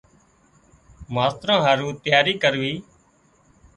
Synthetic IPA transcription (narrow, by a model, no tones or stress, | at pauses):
maːst̪ɾãːɦaːɾũːt̪jaːɾiːkəɾʋiː